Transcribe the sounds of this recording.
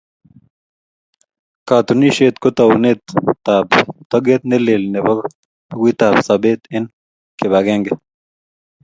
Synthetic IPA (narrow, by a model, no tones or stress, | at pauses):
kat̪uniʃet̪kʊt̪awnet̪abt̪ɔɡet̪̚nelelneba | ɡʷwit̪absabet̪ɪn | keβaɡeŋɡe